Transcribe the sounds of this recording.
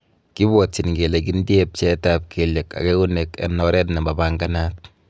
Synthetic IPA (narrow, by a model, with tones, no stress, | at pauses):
ki˦bɔ˨tːi˨nɡe˨le˨ki˦ndje˦p̚t͡ʃɛ˦tap̚kʰe˨le˨ka̰˨ke˦u˦ne˨ka̰˨nːɔ˦ɾɛ˦tnɛ˨mba˨baŋɡa˦na˦t̚